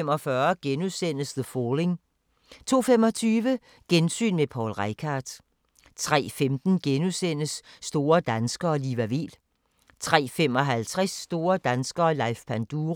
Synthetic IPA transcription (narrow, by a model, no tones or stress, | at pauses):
emɒ̽fɶɐɡ̥enuðˠsen̰əsðəfɔːle̝ŋ | t͡sʰo̝̰ːfemɒ̽t͡sʰyːʋə | ɡ̥ensy̰ːnmepʰɒ̰ːlʁaɪkʰɑd̥ | t͡sʰʁɛ̰ːfemd̥n̩ɡ̥enusen̰əsːd̥o̝ːɐd̥ænsɡ̥ɐɒ̽liʋæʋḛl | t͡sʰʁɛ̰ːfemɒ̽ɦælt͡sʰʁɛsːd̥o̝ːɐd̥ænsɡ̥ɐ̽ːlɑ̈ɪfpʰænd̥uːʁ